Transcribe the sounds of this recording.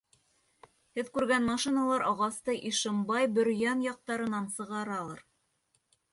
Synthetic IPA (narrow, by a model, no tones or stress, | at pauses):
hɘðkʉɾɡænmɑʃinɑlˠɑɾɑʁɑst̪ɤʔiʃɤ̆mbɑjbɵ̆ɾjænjɑq̚t̪ɑɾɤ̆nɑnsɤ̆ʁɑɾɑlˠɑɾ